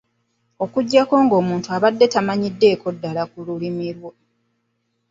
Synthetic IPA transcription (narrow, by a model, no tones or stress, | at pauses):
o̞kuɟːako̞ːŋɡo̞ːmuːntuaβadːe̞tamaɲidːe̞ːko̞dːalakululimiɾwo